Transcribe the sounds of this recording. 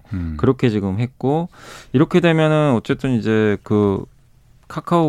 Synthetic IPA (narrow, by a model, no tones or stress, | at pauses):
kɯɾʌkʰe̞t͡ɕiɡɯmɦe̞t̚k͈oiɾʌkʰe̞de̞mjʌnɯnʌt͡ɕ͈e̞t͈ɯnid͡ʑe̞kɯ | kʰakʰao